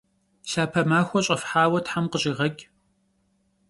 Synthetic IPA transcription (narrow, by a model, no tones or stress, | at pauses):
ɬaːpʰɐmaːxʷɔɕʼɐfħaːwɐtħamqəɕʼiːʁɐɡʲ